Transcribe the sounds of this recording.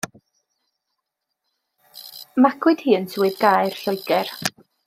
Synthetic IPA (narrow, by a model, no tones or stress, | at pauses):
makʰwɨd̥hiːənsʰwɨdɡajr̥ɬɔjɡ̥ɛr